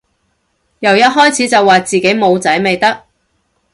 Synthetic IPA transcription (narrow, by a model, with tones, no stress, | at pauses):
jɐ˨˩wjɐ˥t̚ɦɔː˥jt͡sʰiː˨˥t͡sɐ˨wːaː˨t͡siː˨ke˨˥jmo˨˧wt͡sɐ˨˥jme˨jt̪ɐ˥k̚